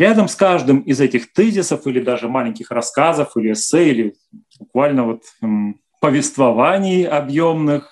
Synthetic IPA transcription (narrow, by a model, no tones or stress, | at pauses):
ɾʲad̪əmskaʐd̪ɨmɪzɛtʲɪxt̪ɛzʲɪsəfilʲɪd̪aʐɨmalʲɪnʲkʲɪxɾɐskazəfilʲɪɛsːɛilʲɪ | bʊkvalʲnəvot̪ | pəvʲɪst̪vɐvanʲɪjɐbjomnɨx